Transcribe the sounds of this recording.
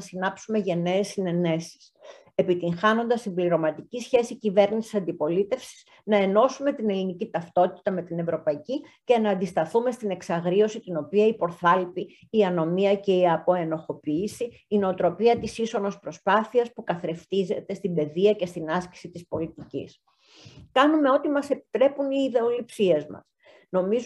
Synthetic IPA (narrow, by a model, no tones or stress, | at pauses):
sinɐpsume̞ʝɐneːsːine̞ne̞si̥s | e̞pit̪iŋxɐno̞nd̪ɐsimbliɾo̞mɐt̪icisçe̞sicive̞ɾnisi̥sɐnd̪ipo̞lit̪e̞fsi̥s | nɐe̞no̞sume̞t̪ine̞linicit̪ɐft̪o̞t̪i̥t̪ɐme̞t̪ine̞vɾo̞pɐici | ce̞nɐːnd̪ist̪ɐθume̞st̪ine̞ksɐɣɾio̞sit̪ino̞piɐipo̞ɾθɐlpiː | ɐno̞miɐce̞iɐpo̞e̞no̞xo̞piːsiː | no̞ːt̪ɾo̞piɐt̪isiso̞no̞spɾo̞spɐθiɐspukɐθɾe̞ft̪ize̞t̪e̞st̪ibe̞ðiɐce̞st̪inɐsci̥sit̪ispo̞lit̪icḭs | kɐnume̞o̞t̪imɐse̞pi̥t̪ɾe̞puniːðe̞o̞lipsie̞zmɐ̰s | no̞miz